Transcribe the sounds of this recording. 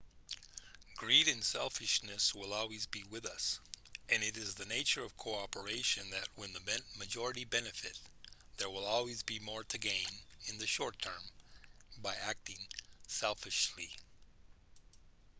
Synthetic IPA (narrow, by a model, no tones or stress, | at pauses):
ɡ̥ɹiɾɨ̃nsɛlˠfɨʃnɨswɪlˠɔlˠwizbiwɪðʌsʔɨ̃nɨɾɨzðɨneɪt͡ʃə˞ʌv̥kʰoʊɑpə˞eɪʃɨ̃nðɨt̚wɨ̃nðɨmɛ̃nmɨd͡ʒɔɹɨɾibɛnɨfɨt̪̚ | ðə˞wɪlˠɔlˠwizbimɔɹɾɨɡẽɪ̃nɨ̃nðɨʃɔɹtʰɜ̃˞m | baɪæk̚tɪ̃ŋsɛlˠfɨʃli